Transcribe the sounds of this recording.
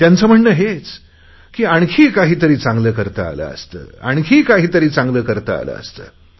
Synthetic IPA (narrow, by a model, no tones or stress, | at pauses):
t̪jant͡səːm̤əɳːəɦet͡s | kiːaɳ̃kʰiːkaɦiːt̪əɾiːt͡sãŋɡləːkəɾt̪ə̰a̰lə̰ə̰st̪ə̰ːa̰ɳ̃kʰiːkaɦiːt̪əɾiːt͡sãŋɡləːkəɾt̪ə̰a̰lə̰ːə̰st̪əː